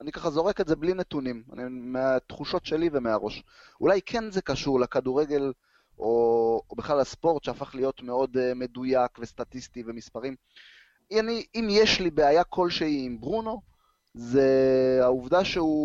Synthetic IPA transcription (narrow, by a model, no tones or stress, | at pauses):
anikaχazo̞ʁekezeblinet̪unima̰nimeat̪χuʃo̞tʃe̞live̞meaʁo̞ʃulajkʰe̞nzekaʃuʁlekaduʁe̞ɡe̞l | obeχlalaspo̞ʁtʃeafaχlijo̞tme̞o̞dme̞dujakve̞statistive̞mispaʁim | aniimjeʃlibeajakʰo̞lʃeiːmbʁuno̞ | zeauvdaʃeu